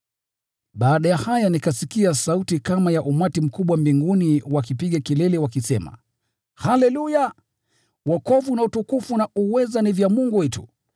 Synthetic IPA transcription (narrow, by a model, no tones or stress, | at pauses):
ɓaːɗajahajanikasikiasautikamajaʔumatim̩kuɓwambiŋɡuniwakipiɠakilɛlɛwakisɛma̰ | halɛluja | wɔkɔvunautukufunaʔuwɛzanivjamuŋɡuwɛtṵ